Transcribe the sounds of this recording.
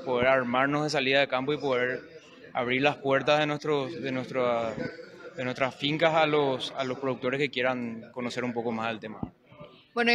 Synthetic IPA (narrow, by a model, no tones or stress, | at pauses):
poðe̞ɾaɾmaɾnozðe̞s̬aliðaðekampoipo̞ðeɾ | aβɾiɾlaspwe̞ɾt̪aðenwest̪ɾosðenwest̪ɾa | ðenwe̞st̪ɾasfiŋkasalosalo̞spɾo̞ðuk̚t̪o̞ɾe̞ske̞kje̞ɾaŋko̞no̞se̞ɾumpo̞ko̞maselt̪e̞ma̰ | bweno